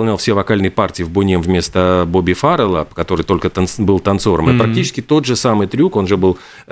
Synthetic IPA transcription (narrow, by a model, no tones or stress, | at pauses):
ɐlˠnʲalˠfsʲevɐkalʲnɨjpartʲɪɪvbʊnʲemvʲmʲe̞st̪əbobʲɪfaɾəlˠəpəkɐt̪o̞ɾɨjt̪o̞lʲkət̪ɐnbɨlˠt̪ɐnt̪so̞ɾəmɨpɾɐk̚tʲit͡ɕɪ̥skʲɪt̪o̞t̪ʐɨsamɨjt̪ɾʲuko̞nʐɨbɨlˠ